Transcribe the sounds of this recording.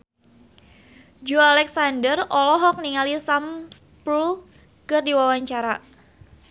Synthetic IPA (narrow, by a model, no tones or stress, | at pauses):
d͡ʒualɛksandərɔlɔɦɔk̚niŋalisams | pɾul | kɨrdiwawaɲt͡ʃaɾa